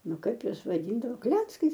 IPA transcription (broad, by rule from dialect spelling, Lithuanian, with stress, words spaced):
ˈnʊ ˈkɐɪp ˈjuɔs ʋɐˈdʲiːndɐʋoː ˈklʲæːt͡skɐɪs